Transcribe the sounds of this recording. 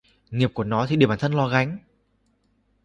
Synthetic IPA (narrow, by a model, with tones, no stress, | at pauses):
ŋi˨˩əp̚ku˧˩ənɔ˨˦t̪i˨ɗi˧˩əɓaː˧˨˩t̪ʰnlɔ˧ɣa˨˦jŋ̟